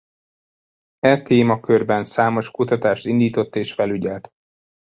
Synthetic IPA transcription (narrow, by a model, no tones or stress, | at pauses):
ɛt̪eːmɒkørbɛnsaːmo̞ʃkut̪ɒt̪aːʃt̪ind̪iːt̪o̞t̪ːeːʃfɛlyɟɛlt̪